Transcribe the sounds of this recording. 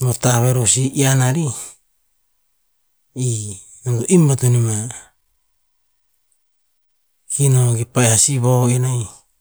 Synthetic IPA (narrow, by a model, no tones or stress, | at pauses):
motaβeɾosiʔianaɾi | nondoʔimbatunima | kʰinoɡipajhasiβoinaj